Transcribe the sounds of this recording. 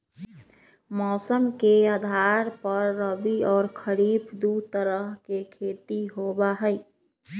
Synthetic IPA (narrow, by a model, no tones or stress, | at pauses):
mɔːsəmkead̪ʱaɾpəɾːəbiɔːɾkʰəɾiːbd̪ut̪əɾəɦkekʰeːt̪iɦobaɦəj